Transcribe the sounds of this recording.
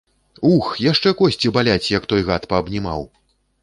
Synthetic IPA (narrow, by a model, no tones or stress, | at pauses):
uxjaʂt͡ʂɛkɔsʲt͡sʲibalʲat͡sʲjɐkt̪ɔjɣat̪pɐːbnʲima̰w